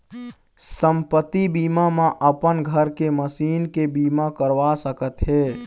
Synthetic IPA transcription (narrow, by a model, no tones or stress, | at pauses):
səmpət̪ːibiːmamãʔəpənɡʱəɾkeməsiːnkebiːmakəɾʋasəkət̪ɦɛː